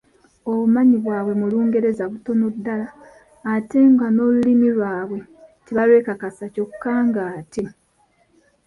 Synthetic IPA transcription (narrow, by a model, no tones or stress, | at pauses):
oβumaɲiβwaːβwe̞muluːŋɡe̞ɾe̞zaβuto̞nodːalaː | te̞ŋɡano̞lulimilwaːβwe̞teβalwe̞ːkakasaco̞kʰːaːŋɡaːte